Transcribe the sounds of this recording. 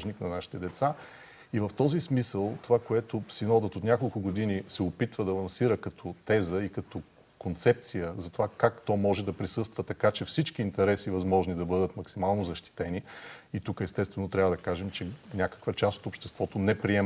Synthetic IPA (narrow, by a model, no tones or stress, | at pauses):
ʒniknɐnaʃi̥t̪ɛd̪ɛt̪sa | ivəft̪ɔzismisəlˠt̪ovakoɛt̪osinɔd̪ət̪ot̪nʲakolˠkʊɡod̪inisɛopit̪vəd̪ɐlˠɐnsiɾəkɐt̪ʰɔt̪ɛzəikɐt̪ɔ | kont̪sɛp̚t̪sijəzɐt̪ovakakt̪ɔjmɔʒɛd̪ɐpɾisɤst̪vət̪ɐkat͡ʃɛfsit͡ʃkiːnt̪ɛɾɛsivɐzmɔʒnid̪ɐbɤd̪ət̪mɐksimalˠnozɐʃt̪i̥t̪ɛniit̪ukəɛst̪ɛst̪vɛnot̪ɾʲavəd̪ɐkaʒɛmt͡ʃɛnʲakə̥kvət͡ʃast̪o̥t̪opʃt̪ɛst̪vɔt̪onɛpɾiɛ